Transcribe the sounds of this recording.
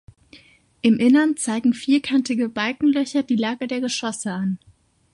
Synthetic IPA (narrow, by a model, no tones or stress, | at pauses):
ʔɪmʔɪnɐnt͡saɪɡŋ̩fiːɐkʰantɪɡəbalkŋ̩lœçɐdiːlaːɡədeːɐɡəʃɔsəan